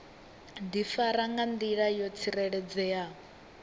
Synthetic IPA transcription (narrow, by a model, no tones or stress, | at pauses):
nd̪ifaɾaŋɡand̪iɺajɔt͡sʰiɾɛɺɛd͡zɛja